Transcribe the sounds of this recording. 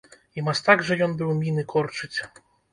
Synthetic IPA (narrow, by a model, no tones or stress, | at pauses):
imast̪aɡʐɛjɔnbɨwmʲinɨkʰɔrt͡ʂɨt͡sʲ